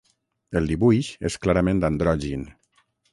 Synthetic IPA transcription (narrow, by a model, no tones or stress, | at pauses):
əlˠd̪iβujʃesklaɾəmẽnd̪and̪ɾɔʒin